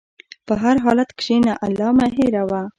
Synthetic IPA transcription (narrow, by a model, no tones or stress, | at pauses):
pəɦaɾɦɑlat̪kʃenaʔalːɑmaɦeɾawa